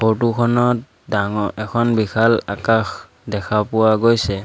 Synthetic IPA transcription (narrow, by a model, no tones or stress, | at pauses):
potukʰɔnɔt̚ | daŋɔʔɛkʰɔnbikʰalakax | dɛkʰapʊwaɡojsɛ